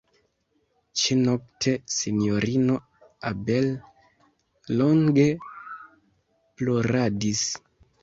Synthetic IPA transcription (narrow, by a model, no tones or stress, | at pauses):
t͡ʃinok̚tʰe̞sinjoɾino̞ | abe̞l | oŋɡe | plo̞ɾadis